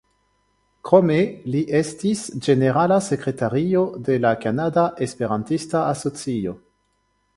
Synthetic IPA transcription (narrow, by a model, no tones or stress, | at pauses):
kɾo̞meliʔestisd͡ʒe̞neʁalase̞kɾe̞taɾio̞de̞lakanadaʔespe̞ɾantistaaso̞t͡sio̞